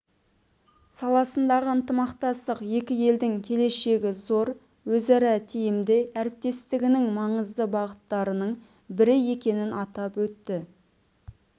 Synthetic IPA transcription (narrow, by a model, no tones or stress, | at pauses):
sɑlˠɑsənd̪ɑʁəənt̪əmɑqt̪ɑst̪əqje̞kʲɪje̞ld̪ɪŋkʲʰe̞le̞ʃe̞ɡʲɪzo̞ɾ | wɵzæɾɑt̪ʰijɪmd̪eʔæɾɪp̚t̪e̞st̪ɪɡʲɪnɪŋmɑɴəzd̪əbɑʁət̪ːɑɾənəɴ | bɪɾɪje̞kʲe̞nɪnʔɑt̪ɑpwɵt̪ːɪ